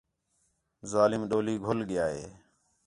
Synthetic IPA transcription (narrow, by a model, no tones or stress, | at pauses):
zaːlɪmɗoːliːɡʱolɠɪjaːɦḛː